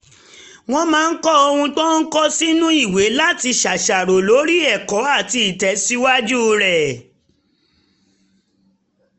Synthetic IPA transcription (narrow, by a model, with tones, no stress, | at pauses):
w̃ɔ̃˧mãː˨˦˧n̩˦kɔ˦o˧hũ˧tɔ̃˦n̩˦kɔ˦si˦nũ˦i˦˨we˨˦la˦ti˧ʃa˨ʃa˨ɾo˨lo˨˦ɾi˦ɛ˦˨kɔ˨˦a˦˨ti˧˨tɛ˨˦si˦wa˦d͡ʒu˦˧ɾɛ˨